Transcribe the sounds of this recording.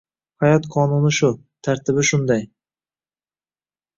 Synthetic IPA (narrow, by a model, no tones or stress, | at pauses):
hajɒt̪qʰɒːnunɪʃʊ | t̪ʰaɾt̪ʰɪbɪʃʊnd̪aj